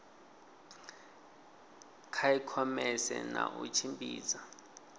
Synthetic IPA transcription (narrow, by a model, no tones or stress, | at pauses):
kʰaikʰɔmɛsɛnaʔut͡ʃʰimpʼiːza